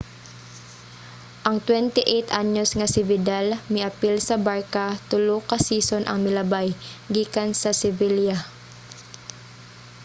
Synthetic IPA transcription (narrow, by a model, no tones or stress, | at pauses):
ʔɐŋt̪wɛnt̪ɪʔɛjt̪ʔaɲosŋɐsɪvɪd̪almɪʔɐpilsɐbaɹkat̪ʊlokɐsiːsonʔɐ̰ŋmɪlɐbajɡiːkansɐsɪvilja